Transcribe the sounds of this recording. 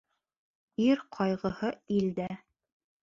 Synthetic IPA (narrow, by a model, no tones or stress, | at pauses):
iɾqʰɑjʁɤ̆hɤild̪æ